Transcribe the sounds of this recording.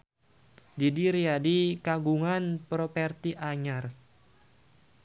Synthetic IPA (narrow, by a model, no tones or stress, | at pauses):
didiɾiadikaɡuŋanpɾopɛrt̪iʔaɲar